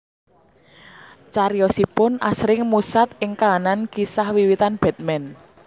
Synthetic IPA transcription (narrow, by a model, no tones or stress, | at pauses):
t͡ʃaɾjɔsipʊna̰sɾɪŋmusat̪ɪŋkaanankisahwiwit̪anb̥ɛ̤t̪̚mɛn